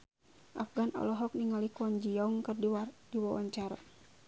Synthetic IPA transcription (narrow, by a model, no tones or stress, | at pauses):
ʔafɡanɔ̰lɔɦɔk̚niŋalikuɔnd͡ʒiɔŋkɨrdiwadiwawa̰ɲt͡ʃaɾa̰